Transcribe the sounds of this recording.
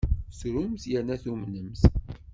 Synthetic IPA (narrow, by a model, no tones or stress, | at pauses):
sɾumθjəɾnæθumnəmθ